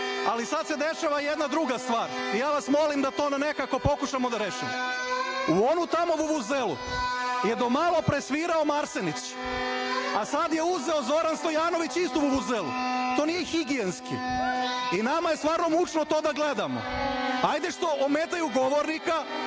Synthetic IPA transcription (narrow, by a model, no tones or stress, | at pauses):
alisad̪se̞d̪e̞ʃaʋajed̪nad̪ɾuɡast̪ʋaːɾijaːʋasmo̞limd̪at̪onanekako̞po̞kuʃamo̞d̪aɾeʃimo | uo̞nut̪amo̞ʋuʋuzelṵje̞d̪o̞malˠo̞pɾesʋiːɾaomaɾsenit͡ɕ | asad̪je̞uzeozo̞ɾanst̪o̞jaːno̞ʋit͡ɕist̪uʋuβuzelṵt̪onijexiɡienskḭ | inamajest̪ʋaːɾno̞mut͡ʃnot̪o̞ːd̪aɡle̞d̪amo̰ajd̪eʃt̪o̞ʔomeːt̪ajuɡo̞ʋoɾnika